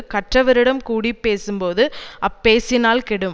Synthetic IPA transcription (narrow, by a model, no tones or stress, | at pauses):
kɐʈrɐʋɐɾɪɽɐmkuːɽipːeːsɯmpoːðɯɐpːeːsɪnaːlkɛɽɯm